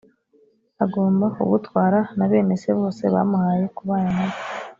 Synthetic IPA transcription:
aɡoːmbaṵβutwaːɾanaβe̞ːme̞se̞βo̞ːse̞βa̰muhaːje̞kuβaːnanaβ

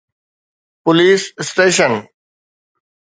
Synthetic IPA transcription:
pʊliːssʈeːʃ̬ən

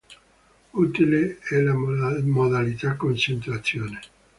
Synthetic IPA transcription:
ut̪ileɛlamod̪alit̪akːont͡ʃent̪ɾat̪sːjoːne

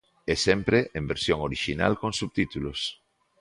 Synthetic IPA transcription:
esɛmpɾeʔembeɾsjoŋoɾiʃina̰lkõnsuβt̪it̪ulos

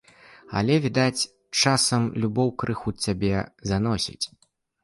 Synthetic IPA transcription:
ɐ̰lʲɛvʲid̪at͡sʲ | t͡ʂasɐmlʲubɔwkɾɨxut͡sʲabʲɛzanɔsʲḭt͡sʲ

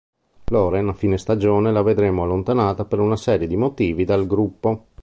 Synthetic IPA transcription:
loːɾenafiːnest̪ad͡ʒoːnelaved̪ɾemoalːont̪anaːt̪apeɾunasɛːɾjed̪imot̪iːvid̪alɡɾupːo

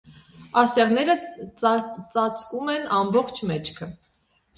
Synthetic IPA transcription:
ɑsjɑʁnɛɾə | t͡sɑt͡skumɛnɑmbɔχt͡ʃʰmɛt͡ʃʰkʰə

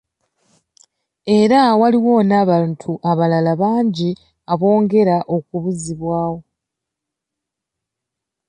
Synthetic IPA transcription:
e̞ɾawaliwo̞naːβaːntʰuʔaβalalaβaːɲɟi | aβo̞ːŋɡe̞ɾaʔo̞kuβuziβwaːwo̞

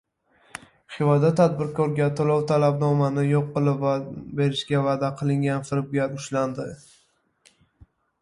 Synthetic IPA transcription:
χɪvad̪at̪ʰad̪̚bɪɾkʰɒɾɡʲat̪ʰolˠɒwt̪ʰalabnɒmanɪjoqːɨlˠɪpvabe̞ɾɪʃɡʲavad̪aqʰɨlˠɪŋɡʲanfɪɾɪb̚ɡʲaɾʊʃland̪ɪ

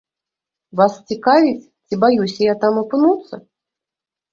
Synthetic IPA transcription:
vast͡sʲɪkavʲɪt͡sʲt͡sʲibajusʲəjat̪amɐpɨnut̪sə

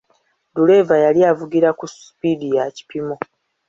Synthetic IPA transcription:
dule̞ːvajaliavuɡiɾakusu̥pidijaci̥pimo̞

